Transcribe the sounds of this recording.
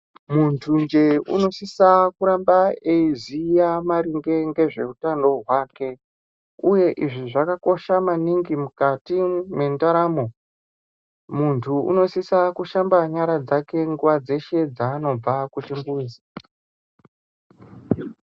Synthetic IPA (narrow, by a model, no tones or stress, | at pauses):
muntʰund͡ʒe̞ṵno̞sisakuɾambaeizijamaɾiŋɡe̞ŋɡe̞ʐe̞utando̞ɦwaːke̞ | uje̞ʔiʐiʐakako̞ʃamaniŋɡimukatimwe̞ntaɾaːmo̞ | muntʰuṵno̞sisakuʃambaɲaɾad͡zake̞ŋɡuʋad͡ze̞ʃe̞d͡zaːno̞b͡vakut͡ʃimbuzi